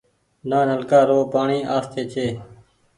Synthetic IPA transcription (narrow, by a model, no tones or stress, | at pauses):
naːnəlkaːɾoːpaːɳiːʔaːst̪ʰeːt͡ʃeː